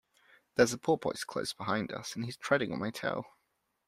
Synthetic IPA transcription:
ðəzəpʰɔˑpʰɔ̰̃ɪtskʰl̥ə̰ʊsb̥ɪɦãɪ̃ndʌ̰sə̃niz̥tʰɹ̥ɛɾɪ̃ŋə̰̃nmaɪtʰḛɪlˠ

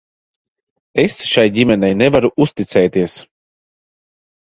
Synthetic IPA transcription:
esʃajɟimʲɛnɛjnɛvaɾuʔust̪it̪sɛːt̪iɛs

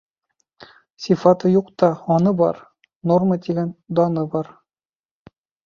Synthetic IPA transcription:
sʲifɑt̪ɤjuqt̪ɑɒnɤbɑ̰ɾ | normət̪iɡænd̪ɑnɤbɑɾ

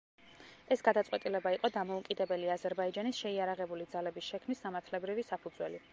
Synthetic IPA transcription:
ɛsɡad̪at̪sʼwɛt̪ʼilɛbaiqʼɔd̪amɔukʼid̪ɛbɛliazɛɾbaid͡ʒanisʃɛiaɾaʁɛbulid̪zalɛbisʃɛkʰmnisːamaɾt̪ʰlɛbɾivisapʰud̪zwɛli

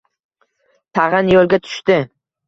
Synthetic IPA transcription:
t̪ʰaʁɪnjolˠɡʲat̪ʰʊ̥ʃt̪ɪ

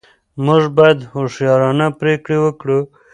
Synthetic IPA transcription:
muʐbɑjad̪hoʂjɑɾɑnapɾekɽewəkɽu

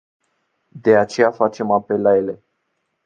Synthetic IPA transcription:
d̪e̞at͡ʃe̞jafat͡ʃe̞mape̞lːaje̞le̞

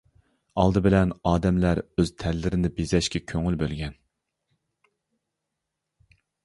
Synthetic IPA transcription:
ɑ̰lˠd̪ɨbɪlɛnɑːd̪ɛmlæɾøz̥t̪ʰɛlːɪɾɪnɪbezɛʃkʲɛkʲʰøŋylbølɡʲɛn

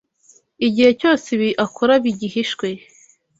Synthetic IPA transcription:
iɟihecoːsiβiʔakʰuɾaβiɟihiʃkwe

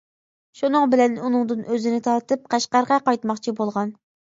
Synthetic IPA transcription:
ʃunɨŋbɪlɛnunɨŋd̪ɨnøzɪnɪt̪ʰɑɾt̪ʰɨp̚qʰæʃqɑɾʁɑqɑjt̪mɑχt͡ʃʰibolˠʁɑn

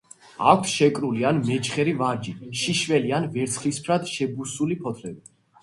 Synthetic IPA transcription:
a̰kʷʰsʃɛkʼɾulianmɛt͡ʃʰχɛɾivaɾd͡ʒiʃiʃvɛlianvɛɾt̪sʰχlispʰɾad̪ʃɛbusulipʰɔt̪ʰlɛbi

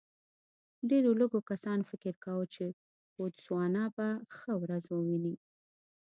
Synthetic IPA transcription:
ɖeɾoləɡokasɑnfɪkɪɾkawət͡ʃe | od̪swɑnɑbaxəwɾazwəwini

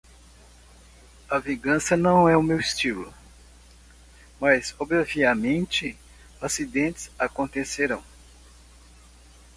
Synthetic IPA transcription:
ɐvĩɡɐ̃sɐnɐ̃w̃ɛʊmewist͡ʃilʊ̰ | mɐzobɾaviɐmẽnt͡ʃɪ | asid̪ẽnt̪ɪ̥zakõnt̪eseɾɐ̃w̃

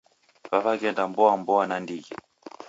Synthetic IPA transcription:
vavaɡɛndambɔwambɔwanandikɛ

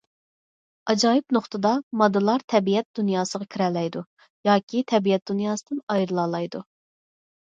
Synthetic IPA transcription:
ɑd͡ʒɑːjipnoχt̪ʰɨd̪ɑmɑd̪ɨlˠɑɾt̪ʰɛbijɛt̪̚d̪̥unjɑːsəʁɑkʲʰiɾɛlːɛjd̪u | jɑːkʲit̪ʰɛbijɛt̪̚d̪̥unjɑːsɨd̪ɨnɑjɾɨlˠɑːlˠɑjd̪u

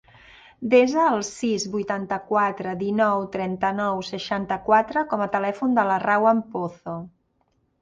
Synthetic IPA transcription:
d̪ezəːlˠsizβujt̪ant̪əkwat̪ɾəðinɔwt̪ɾɛnt̪ənɔwsəʃant̪əkwat̪ɾəkɔmət̪əlɛfund̪ələrawəmpoθo

